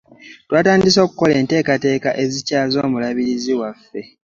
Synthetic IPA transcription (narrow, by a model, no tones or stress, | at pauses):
twaːtaːndis̬o̞ːku̥ko̞le̞ːnte̞ːkate̞ːkaʔe̞zicaːzo̞ːmulaβiɾiziwafːe̞